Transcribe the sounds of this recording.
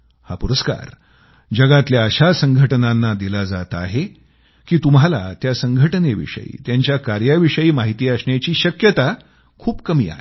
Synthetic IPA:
ha̰puɾəska̰ɾ | d͡ʑəɡat̪ljaəɕasəŋɡʱəʈnanːad̪ilad͡zat̪aɦe | kiːt̪umɦala̰t̪jasəŋɡʱəʈneʋḭʂə̰jḭːt̪jaɲt͡ɕjakaɾjaʋiʂəiːmaɦit̪iːasɳjat͡ɕiːɕəkjət̪a | kʰuːpkəmḭːa̰ɦḛ

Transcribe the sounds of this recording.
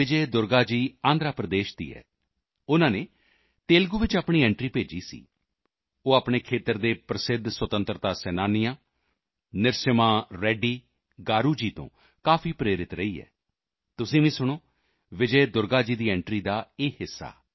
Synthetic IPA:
ɪd͡ʒɛːd̪ʊɾɡaːd͡ʒiːãːnd̪ɾaːpɾəd̪eːʃd̪ḭːɛ̰ː | ʊnãːneː | t̪eːlɡuːʋɪt͡ʃaːpɳ̃iːɛ̃ːɳʈɾiːpeːd͡ʒḭːsḭː | oːaːpɳeːkʰeːt̪əɾd̪eːpɾəsɪd̪ʱswət̪ə̃nt̪ɾt̪aːsɛːnaːnɪjãː | nɪɾsəmãːɾɛːɖiː | ɡaːɾuːd͡ʒiːt̪õ̰ː | kaːpʰiːpɾeːɾɪt̪ɾəiːɛ̰ː | t̪ʊsĩːʋĩːsʊɽ̃oː | ʋɪd͡ʒeːd̪ʊɾɡaːd͡ʒiːd̪iːɛ̃ːɳʈɾiːd̪aːeːɦɪsːa̰ː

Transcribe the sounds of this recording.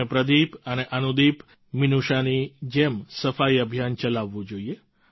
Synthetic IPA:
epɾəd̪ipəneʔənud̪ip | mɪnuʃanid͡ʒemsəfaiəbʱjant͡ʃəlaʋːũd͡ʒoie

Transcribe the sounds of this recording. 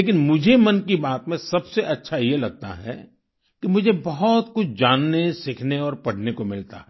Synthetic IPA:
leːk̬ɪnmʊd͡ʒʱemɐnkibaːt̪mẽsɐbseʔɐtːʃʰajelɐɡ̚t̪a̰ɦɛ̰ | kimʊd͡ʒʱebɐɦɔt̪kʊt͡ʃʰd͡ʒaːnːesɪkʰneɔːɾpɐɽ̤nekomɪlt̪a̰ɦɛː

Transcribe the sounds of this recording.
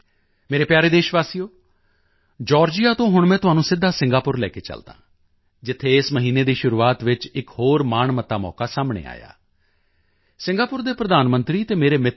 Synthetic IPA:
meːɾeːpjaːɾeːd̪eːʃʋaːsijoː | d͡ʒɔːɾd͡ʒɪjaːt̪õːɦʊɳmɛ̃ːt̪ʊɦaːnũːsɪd̪ʱːaːsɪ̃ŋɡaːpʊɾlɛ̰ːkeːt͡ʃə̰ld̪ã̰ː | d͡ʒɪt̪ʰːeːɪsməɦiːneːd̪iːʃʊɾuːaːt̪ʋɪt͡ʃɪkhoːɾmaːɳmət̪ːaːmɔ̰ːkaːsaːmɳḛːa̰ːja̰ː | sɪ̃ŋɡaːpʊɾd̪eːpɾəd̪aːnmənt̪ɾiːt̪eːmeːɾeːmɪt̪

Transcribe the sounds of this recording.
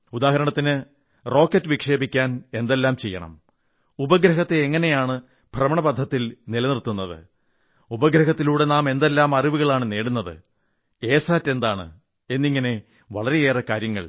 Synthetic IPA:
ud̪aːɦɐɾɐɳɐt̪ːinɨ | ro̞ːkːɐtːɨʋikʂe̞ːbikʲːaːne̞nd̪e̞lːaːmt͡ɕe̞̰jːɐ̰ɳɐ̰m | ubɐɡɾɐɦɐt̪ːe̞ːŋːɐne̞jaːɳɨ | b̥ʱrɐmɐɳɐbɐd̪ʱːɐt̪ːilnilɐnirt̪ːunːɐðɨ̰ | ubɐɡɾɐɦɐt̪ːiluːɽe̞naːme̞nd̪e̞lːaːmɐriʋuɣɐɭaːɳɨne̞ːɽunːɐðɨ̰ | e̞ːsaːtːe̞nd̪aːɳɨ̰ | e̞nːiŋːɐne̞ | ʋɐɭɐɾe̞eːrɐkaːɾjɐŋːɐ̰ɭ

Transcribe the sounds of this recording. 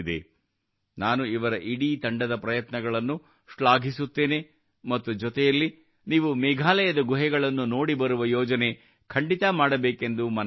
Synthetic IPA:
d̪ḛ | naːnuiʋɐɾɐʔiɽiːt̪ɐɳɖɐd̪ɐpɾɐjɐt̪nɐɡɐɭɐnːu | ʂɭaːɡʱisut̪ːe̞ːne̞ | mɐt̪ːud͡ʒɔt̪ɛjɐlːi | niːʋumɛɡʱaːlɐjɐd̪ɐɡuɦɛɡɐɭɐnːuno̞ːɽibɐɾuʋɐjɔːd͡ʒɐne̞ | kʰɐɳɖit̪ɐmaːɽɐbeːke̞nd̪umɐn

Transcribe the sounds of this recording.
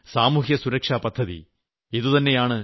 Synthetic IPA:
saːmuːɦjɐsuɾɐkʂaːpɐd̪ʱːɐðḭ | iðut̪ɐnːe̞jaːɳɨ

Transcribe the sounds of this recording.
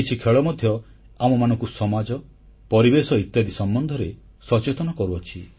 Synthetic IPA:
it͡ʃʰikʰeɭɔmɔd̪ʱjɔ | amɔmanɔŋkusɔmad͡ʒɔ | pɔɾibesɔit̪jad̪isɔmbɔnd̪ʱɔɾe | sɔt͡ʃet̪ɔnɔkɔɾuɔt͡ʃʰi

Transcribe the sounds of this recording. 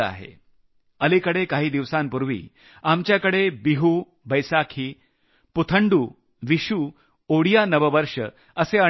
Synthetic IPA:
a̰ɦḛ | əlikəɽekaɦiːd̪iʋsampuɾʋḭː | amt͡ɕjakəɽebiɦuː | bəjsakʰiː | put̪ʰəɳɖuː | ʋiɕuː | oɽijanəʋəʋəɾʂə̰ | əseə

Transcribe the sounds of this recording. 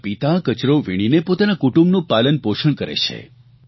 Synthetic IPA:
pit̪akət͡ʃɾoʋiɽ̃inepot̪anakuʈũmbnũpalənpoʃʰəɳkəɾḛt͡ʃʰḛ

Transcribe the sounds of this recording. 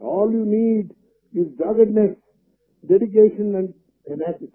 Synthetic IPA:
ɔːljuːniːɖ | ɪzɖaːɡəɖnes | ɖeɖɪk̬eːʃə̃nɛ̃ɳɖ | ɪnæsɪs

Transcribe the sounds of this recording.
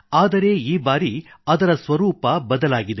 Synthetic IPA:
aːd̪ɐɾe̞ːiːbaːɾiɐd̪ɐɾɐsʋɐɾuːpɐbɐd̪ɐlaːɡid̪e

